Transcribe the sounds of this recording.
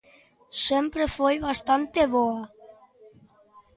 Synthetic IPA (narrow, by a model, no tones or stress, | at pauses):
sempɾefojβast̪ant̪eβoa